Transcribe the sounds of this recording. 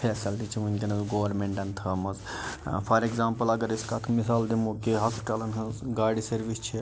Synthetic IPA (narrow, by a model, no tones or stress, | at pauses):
pʰeːsɐld̪it͡ʃʰimunʲkʲenɐzɡoːʋɐɾmeɳʈɐnt̪ʰɐːmɐzpʰɐɾeɡzaːmpɐlɐɡɐɾiskat̪ʰmisaːld̪imokeɦɐsʈɐlɐnɦɐzɡaːɖisɐɾʋist͡ʃʰi